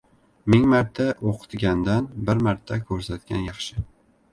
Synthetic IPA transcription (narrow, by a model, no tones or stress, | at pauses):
mɪŋmaɾt̪ʰːaʔoqʰɨ̥t̪ɡʲand̪anbɪɾmaɾt̪ʰːakʲʰɵɾsat̪kʲa̰njɑχʃɪ